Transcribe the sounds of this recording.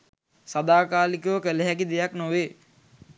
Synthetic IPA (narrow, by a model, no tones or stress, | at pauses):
sad̪aːkaːlikuʋəkeleɦæk̬id̪ejaknoʋeː